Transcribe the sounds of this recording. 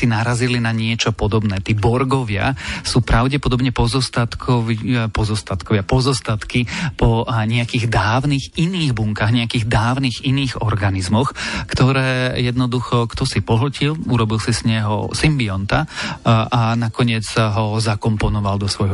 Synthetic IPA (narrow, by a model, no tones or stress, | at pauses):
sinaɾazilinaɲɪɛt͡ʃɔpɔd̪ɔbnɛːt̪iːbɔɾɡɔʋɪa̰suːpɾaʊɟɛpɔd̪ɔbɲɛpɔzɔst̪at̪kʰɔʋipɔzɔst̪at̪kɔʋɪapɔzɔst̪at̪kipɔɲɛakiːɣd̪aːʊniɣiniːɣbuŋkaːɣɲɛakiːɣd̪aːʊniɣiniːɣɔ̰ɾɡanizmɔxkt̪ɔɾɛːjɛd̪nɔd̪uxɔkt̪ɔsipɔɦl̩ciluɾɔbilsisɲɛɦɔ̰simbiɔnt̪a | anakɔɲɪɛd͡zɦɔzakɔmpɔnɔʋald̪ɔsʋɔjɦɔ